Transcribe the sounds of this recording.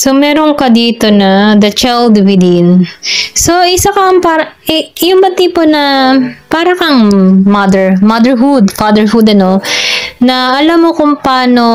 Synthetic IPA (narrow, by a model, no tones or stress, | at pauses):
somɛːɾoŋkɐd̪iːt̪o̞nɐd̪ɐt͡ʃɛld̪wɪd̪inso̞ʔɪsakɐŋpaːɾɐɛjʊŋbɐt̪iːponɐpaːɾɐkɐŋmɐd̪ɛɹmɐd̪ɛɹɦud̪fad̪ɛɹhud̪ɐno̞nɐɐlamːokʊŋpaːno̞